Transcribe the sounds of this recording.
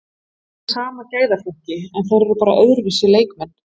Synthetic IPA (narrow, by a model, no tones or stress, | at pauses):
saːmacaːjðafɔhcɪɛnθaðɾɛɾʏpaːɾa̰ʔœðɾvɪsɪleːjkmɛnː